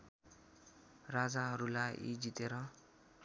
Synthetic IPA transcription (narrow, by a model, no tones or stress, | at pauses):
rad͡zaɦʌɾulajʔḭd͡zit̪eɾʌ